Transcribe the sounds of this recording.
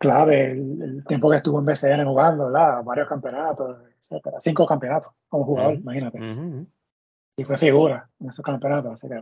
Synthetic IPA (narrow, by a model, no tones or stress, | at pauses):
klaβelḛlt̪je̞mpo̞kest̪uβoembeseenehuɣand̪oeɾðaβaɾjohkampeonat̪osiset̪eɾa̰siŋko̞kampeonat̪o̥ko̞mohuɣaðo̞ɾimahinat̪e | ifwe̞fiɣuɾaenesoskampeonat̪ososike